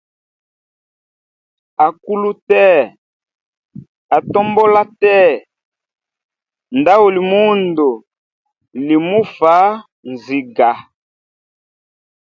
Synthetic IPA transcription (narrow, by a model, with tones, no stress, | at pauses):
a˨ku˦lu˦tɛ˦˨ | a˨tɔ˦mbɔ˦la˦tɛ˦˨ | nda˦wo˨li˨mu˦ndo˨ | li˨mu˦fa˨˦ | nzi˨ɡa˨